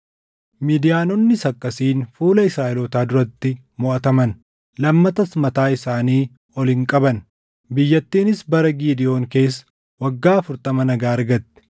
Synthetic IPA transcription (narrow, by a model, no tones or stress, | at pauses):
miːd̪ɪjaːnɔnːɪsɐkʼːɐsiːnfuːlɐɪsɾaːʔɛlɔt̪aːd̪ʊɾɐt̪ːɪ | mʊʔɐt̪ɐmɐn | lɐmːɐt̪ɐsmɐt̪aːɪsaːniː | ɔlɪŋkʼɐbɐn | bɪjːɐt̪ːiːnɪsbɐɾɐɡiːd̪ɪjo̞ːŋke̞ːsːɐ̥ | wɐɡːaːɐfʊɾt̪ɐmɐnɐɡaːɐɾɡɐt̪ːɛ̥